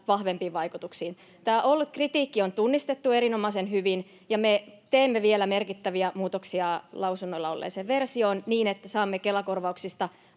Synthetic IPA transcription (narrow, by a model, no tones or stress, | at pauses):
ʋɑhʋempiːʋʋɑikut̪uksiːn | t̪æːʔolːut̪krit̪iːkːiont̪unːist̪et̪ːueɾinomɑsenhyʋin | jɑmet̪eːmːeʋielæmerkit̪ːæʋiæmuːt̪oksiɑlɑusunːoilːɑolːḛːseʋʋersionniːnet̪ːæsɑːmːekelɑkorʋɑuksist̪ɑ